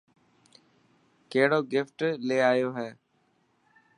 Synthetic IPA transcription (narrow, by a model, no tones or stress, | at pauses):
keɦɪɽoːɡɪfʈleːaːjoːɦɛː